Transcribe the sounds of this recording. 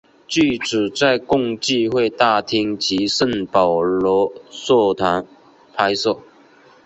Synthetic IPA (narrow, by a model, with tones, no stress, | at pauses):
t͡ɕy˥˩ʈ͡ʂɻ̩˨˩t͡sa˥˧ɪkʊ˥˧ŋt͡ɕi˥˧xwe˥˧ɪt̪a˥˧t̪ʰi˥ŋt͡ɕi˧˥ʂə˥˩npɑ˨˩ʊlɔ˧˥swɔ˥˩t̪ʰwa˧˥n | pʰa˥ɪsɤ˥˩